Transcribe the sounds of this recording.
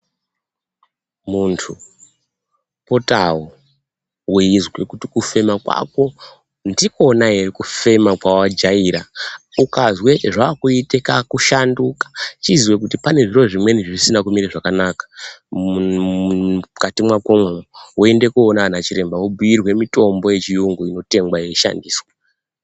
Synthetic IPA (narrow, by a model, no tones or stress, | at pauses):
muntʰu | potawo | weizwekutikufe̞makwa̰ko̞ | ndiko̞naerikufe̞makwawad͡ʒaiɾaukazwe̞ʐaːkuitekakuʃandukḁt͡ʃizwekutipane̞ʐiro̞ʐimwe̞niʐisinakumiɾaʐakanakḁ | katimwakomwewoe̞nde̞kuonaʋanat͡ʃiɾe̞mbawobʱujirwe̞mito̞mbo̞je̞t͡ʃijuŋɡuino̞te̞ŋɡwajeʃa̰ndiːswa